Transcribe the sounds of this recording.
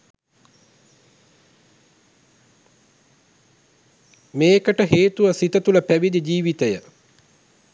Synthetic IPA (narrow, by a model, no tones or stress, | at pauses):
meːkəʈəɦeːt̪uʋɐsit̪ət̪ulɐpæʋid̪id͡ʒiːʋit̪əjə